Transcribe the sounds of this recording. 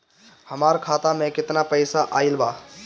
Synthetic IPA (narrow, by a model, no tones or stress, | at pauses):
hɐmaːɾkʰaːt̪amẽkɪt̪napəɪsaʔaːɪlbaː